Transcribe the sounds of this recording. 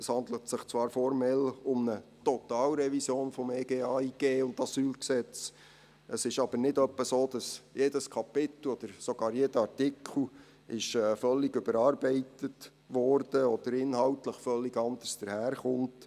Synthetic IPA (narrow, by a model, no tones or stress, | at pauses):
əshɑnd̪lətsɪχt͡sʋɑːɾfɔɾmɛlʊmnətɔt̪ɑːlɾɛʋisjoːnfɔmeːɡeːɑiɡ̥eːʊntɑsyːlksɛt͡s | ʔəsɪʃɑb̥əɾnɪdœpːəsoːd̥ɑsjeːdəskʰɑpɪt̪l̩ɔd̪̥əɾsɔɡ̥ɑːɾjeːdəɑrtɪkʰl̩ | ɪʃɛːfœlːɪɡʏbəɾɑːɾbɛɪtət | ʋɔɾd̥əɔd̥̪əɾɪnhɑʊtləχfœlːɪɡɑnd̪əsd̥əɾhæːɾχʊnt